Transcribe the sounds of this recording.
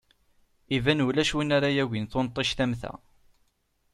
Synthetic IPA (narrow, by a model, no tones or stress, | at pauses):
ivænulæʃwinaɾajæwinθont̪ˤːiʃθæmθæ̰